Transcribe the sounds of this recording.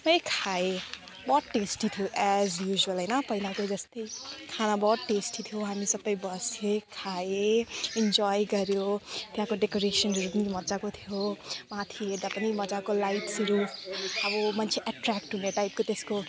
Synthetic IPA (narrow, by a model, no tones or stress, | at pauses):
mʌekʰae | bʌʈesʈit̪ʰijoʔɛzjuʒuʌlɦʌjnʌpʌinakod͡zʌst̪ʌjkʰanabʌʈesʈit̪ʰjoɦamisʌbʌjbʌsekʰaeind͡ʒɔjɡʌɾjot̪jãkoɖekoɾesʌnruɡnimʌd͡zakot̪ʰijomat̪ʰiɦeɾd̪apʌnimʌd͡zakolajʈsiɾuʌbʌmʌnt͡sʰeʔaʈrɛkʈɦuneʈajp̚kot̪esko